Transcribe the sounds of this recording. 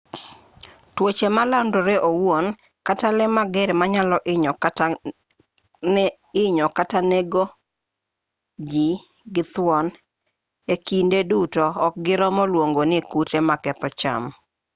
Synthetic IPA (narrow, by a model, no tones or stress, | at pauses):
twot͡ʃemalandoɾeʔowon | katalɛmaɡɛɾɛmaɲalɔʔɪ | ɪɲɔkataneɡo | d͡ʒi | ɡɪt̪wɔn | ekindedutɔːk̚ɡɪɾɔmɔlwoŋɡonɪkutemakɛt̪ɔt͡ʃa̰m